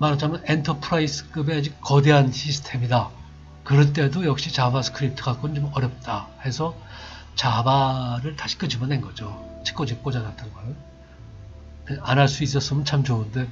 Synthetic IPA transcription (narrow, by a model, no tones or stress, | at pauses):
maɾat͡ɕʰamjʌne̞ntʰʌpʰɾaisʰɯ̥k͈ɯbe̞ad͡ʑik̚k͈ʌde̞ɦanɕʰisʰɯ̥tʰe̞mida | kɯɾʌnt̬͈e̞dojʌk̚ɕ͈it͡ɕabasʰɯ̥kʰɯɾip̚tʰɯɡak͈onɯnt͡ɕomʌɾjʌp̚t͈ahe̞sʰʌ | t͡ɕabaɾɯɭtaɕʰi̥k͈ɯd͡ʑibʌne̞nɡʌd͡ʑo | t͡ɕʰi̥k͈od͡ʑik͈od͡ʑanat͈ʰanɡaɾɯn | eanɦaɭs͈uis̬͈ʌs͈ɯmʌnt͡ɕʰamt͡ɕounde̞